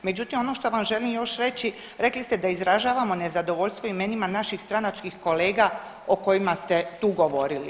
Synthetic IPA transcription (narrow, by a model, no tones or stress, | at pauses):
me̞d͡ʑut̪imo̞no̞ʃt̪o̞ʋamʒe̞limjo̞ʃɾe̞t͡ɕi | ɾe̞klist̪ed̪aizɾaʒaːʋamo̞nezad̪o̞ʋo̞ʎst̪ʋo̞ime̞nimanaʃixst̪ɾanat͡ʃkixko̞le̞ːɡa | o̞ko̞jimast̪et̪uːɡo̞ʋo̞ɾili